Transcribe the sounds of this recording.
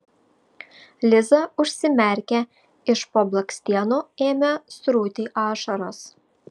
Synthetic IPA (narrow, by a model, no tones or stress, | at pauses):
lʲɪzɐʊʃʲsʲɪmʲɛˑɾʲkʲɛ | ɪʃpoːblˠɐksʲt̪ʲiɛnuːeːmʲɛsɾuːt̪ʲiʔɑːʃɐɾoːs